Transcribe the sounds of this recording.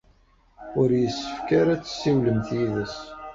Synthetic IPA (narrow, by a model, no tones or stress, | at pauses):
ʊɾjəsːəfkaɾat͡sːə̥sːiwləmθjiðəs